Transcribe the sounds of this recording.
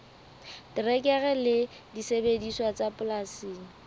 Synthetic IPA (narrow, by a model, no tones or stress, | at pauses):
tɪrɛkʼɛɣɛlɪ | disebediswat͡sapʊlasiːŋ̩